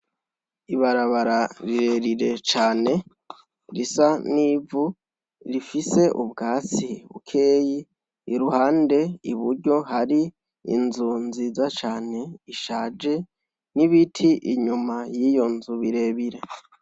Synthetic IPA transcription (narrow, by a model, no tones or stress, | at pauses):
iβaɾaβaɾaɾiɾeɾiɾe̞t͡ʃaːne̞ | ɾisaniːvu | ɾifise̞ʔubɡaːt͡siβṵkʰe̞ːjiː | ɾuhaːnde̞iβuɾɟo̞ɦaɾi | ḭnzunzizat͡ʃaːne̞iʃaːd͡ʒe̞ | niβitʰiʔiɲumajijo̞nzuβiɾe̞ːβiɾe̞